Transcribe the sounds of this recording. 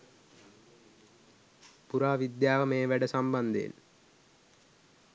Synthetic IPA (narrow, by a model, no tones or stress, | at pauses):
puɾaːʋid̪jaːʋəmeːʋæɖəsamband̪ə̰ḭl